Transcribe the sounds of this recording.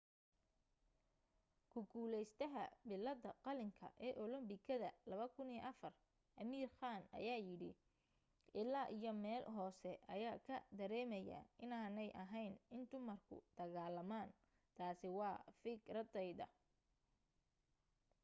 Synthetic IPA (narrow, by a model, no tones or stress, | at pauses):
kʰʊɡuːlɛjst̪ʰɐɦɐ̰bɪlːɐd̪ɐqɑlɪŋkʰɐ̰ʔɛːʔɔlɔmbɪkʰɐðɐlɐβɐkʰʊniːʔɐfɐr | ʔɐmiːrχaːnɐ̰jaːjɪɽɪ̰ | ʔɪlaːʔijɞmɛːlɦɔːsɛʔɐjaːkʰɐd̪ɐɾɛːmɛja̰ʔɪnaːnɛjʔɐɦɛjnɪnd̪ʊmɐrkʰʊ̰d̪̥ɐɣaːlɐmaːn | t̪ʰaːsɪwɑːfɪkrɐd̪ɛjðɐ̰